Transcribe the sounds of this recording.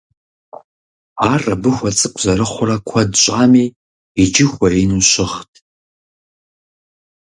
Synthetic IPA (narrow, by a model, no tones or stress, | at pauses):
aːrɐbɨxʷɔt͡sʼɨkʷʼzɐɾɨχʷʊrɐkʷʰɐdɕʼaːmiː | id͡ʒɪxʷɔinuɕɪχtʰ